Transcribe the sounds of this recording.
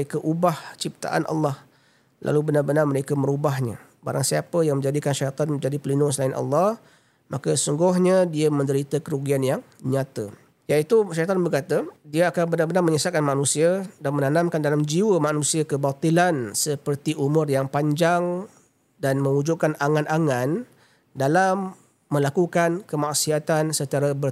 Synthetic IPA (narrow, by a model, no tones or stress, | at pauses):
ekaʔubaht͡ʃip̚t̪a̰ʔa̰nʔɑ̰lːɑh | lʔa̰lubənarbənarməɾekəməɾubaɦɲa̰ | ba̰ɾaŋsiapəjaŋmə̃ɲd͡ʒadikanʃajt̪ɔnmə̃ɲd͡ʒadipəlinʊŋs̬əlaɪnʔɑ̰lːɑh | makəsuŋɡʊhɲadiamə̃ndəɾit̪əkəɾuɡianjaŋ | ɲat̪ə | jait̪uʃajt̪ɔnbərkat̪ədiaakanbənarbənarməɲəsaʔ̪̚kanmanũsiadanmənanãmkandalamd͡ʒiwəmanusiakəbat̪ˤilansəpərt̪iʔumʊrjaŋpaɲd͡ʒaŋ | danmə̃ŋud͡ʒuʔkanaŋanaŋan | dalamː | ə̃lakukankəmaʔsiat̪ansət͡ʃaɾabə